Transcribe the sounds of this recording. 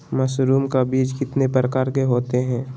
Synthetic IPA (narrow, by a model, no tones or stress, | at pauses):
mɐsɾuːmkabiːd͡ʒkɪt̪nepɾəkaːɾkeɦoːt̪eɦɛ̃ː